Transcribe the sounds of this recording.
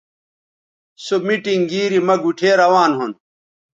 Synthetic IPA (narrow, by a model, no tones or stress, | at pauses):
somiʈiŋɡiːɾimɐɡuʈʰeːɾɐwaːnɦun